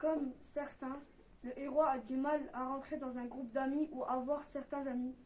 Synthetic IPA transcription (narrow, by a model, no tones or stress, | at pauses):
kɔmsɛʁt̪ɛ̃ | ləʔeʁwaːd̪ymalaʁɑ̃t̪χed̪ɑ̃zɛ̃ɡʁupd̪amiʔuavwaʁsɛʁt̪ɛ̃zami